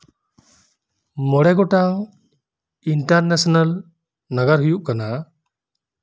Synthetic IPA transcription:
mɔɽɛɡɔʈaŋ | inʈaɾnesɔnal | naɡaɾɦujuʔ̚kana

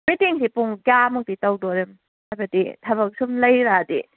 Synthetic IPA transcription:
mitiŋsipuŋɡamɔk̚ditawdɔɾem | hajbɐdḭtʰɐbɐk̚sumlɐjɾadḭ

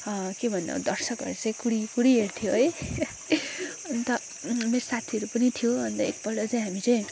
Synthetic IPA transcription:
ʌkebʱʌnːʌ̰d̪ʌrsʌkʌ̰ɾut͡saĩkuɽikuɽieɾt̪ʰijoɦʌj | ʌnt̪ʌ | meɾosat̪ʰiʌɾupʌnit̪ʰijoʌnt̪ʌḭt̪̚pʌlʌt͡saĩɦamit͡saĩ

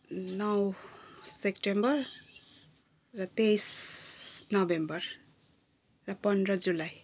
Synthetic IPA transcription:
nʌwsekʈembʌr | ʌt̪ejs | nʌbembʌr | rʌpʌndɾʌd͡zulaj

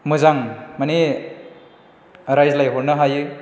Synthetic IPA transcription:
mɯzaŋmani | ɾajzlajɦɔɾnɯɦajɯ

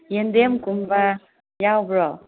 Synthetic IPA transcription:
jend̪emkumba | jawbɾɔ

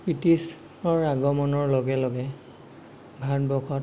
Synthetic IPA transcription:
pɹitis | ɔɹaɡɔmɔnɔɹloɡɛloɡɛ | bʱat̚bɔkʰɔt

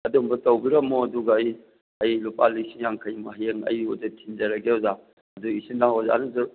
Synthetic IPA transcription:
ɐdumbɐtɐwbiɾɐmːoɐduɡɐːj | ɐjlupalːisiŋjaŋkʰɐjmɐɦjeŋɐ̰jozɐtʰind͡ʒɐɾɐɡeɔza | ɐduisindaŋɔza̰nuzɐ

